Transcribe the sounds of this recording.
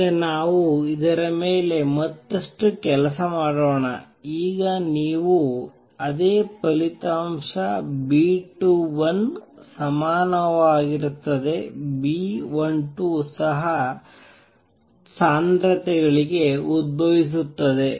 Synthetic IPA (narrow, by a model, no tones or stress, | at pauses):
ɐnaːʋuid̪ɐɾɐme̞ːle̞mɐt̪ːɐʂʈukɛlɐsɐmaːɽoːɳɐ̰ | iːɡɐniːʋu | ɐd̪eːpɐlit̪aːmʂɐbiːʈuʋɐn | sɐmaːnɐʋaːɡiɾut̪ːɐd̪e̞biːʋɐoɳʈusɐɦɐ | saːnd̪ɾɐt̪ɛɡɐɭiɡe̞ud̪̚bʱɐʋis̬ut̪ːɐd̪e̞